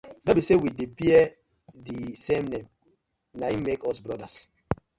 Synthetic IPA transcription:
nobisewidibiɛ | disẽmnẽm | naimekɔsbɹɔdas

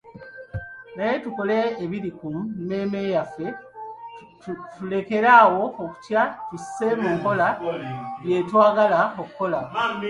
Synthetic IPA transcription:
najetuko̞leːβiɾikumme̞ːme̞ːjafe̞ | tule̞ke̞ɾaːwo̞oku̥tjatussemuŋko̞la | βje̞twaːɡalaokuko̞la

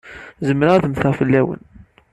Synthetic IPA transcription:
zəmːɾəðəmθæʁfəlːæwə̰n

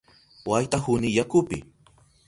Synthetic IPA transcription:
wajt̪ahʊnijakʊpɪ̰

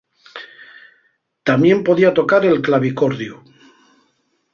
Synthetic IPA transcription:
t̪amje̞mpo̞ðiat̪o̞kaɾe̞lklaβiko̞ɾðju

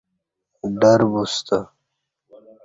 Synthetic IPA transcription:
ɖɐɾbust̪a

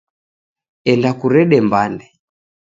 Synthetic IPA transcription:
ɛndakuɾɛɗɛmbandɛ

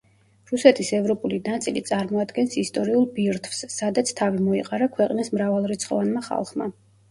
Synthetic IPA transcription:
ɾusɛt̪ʰisɛvɾɔpʼulinat̪sʼilit̪sʼaɾmɔad̪ɡɛnsist̪ʼɔɾiulˠbiɾt̪ʰvsːad̪at̪sʰt̪ʰavimɔiqʼaɾakʰwɛqʼnismɾavalˠɾit̪sʰχɔ̰vanmaχa̰lˠχma̰

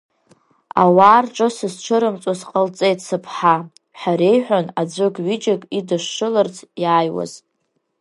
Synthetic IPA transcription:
a̰waːrʈ͡ʂʷʼosɨzt͡ʃʷʰɨɾɨmt͡sʷʼasqʼəlt͡sʼejtsɨpʰħa | ħaɾe̞jħʷᶣanad͡zʷʊɡɥid͡ʒʼɪkʼidɨʂːɨlɨrt͡sʰjaːjwa̰z

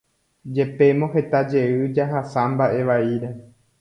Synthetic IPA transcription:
d͡ʒe̞pe̞mõ̞ɦe̞t̪ad͡ʒe̞ɨd͡ʒaɦasãmbaʔe̞ʋaiɾe̞

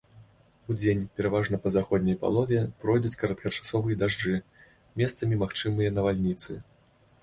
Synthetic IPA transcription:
ud͡zʲenʲpʲɛɾavaʐnɐpɐzaxɔd̪ʲnʲɐjpa̰lˠɔvʲɛpɾɔjd̪ut͡sʲkɐɾɐt̪̚kɐt͡ʂḁsɔvɨjɐd̪aʐd͡ʐɨ | mʲɛst̪sɐmʲimaxt͡ʂɨmɨjɐnɐvalʲnʲit̪sɨ̰

